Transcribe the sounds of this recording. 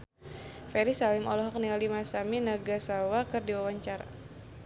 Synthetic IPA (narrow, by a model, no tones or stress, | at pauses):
fɛɾisalɪmɔlɔɦɔk̚nialimasaminaɡasawakɨrdiwawaɲt͡ʃaɾa̰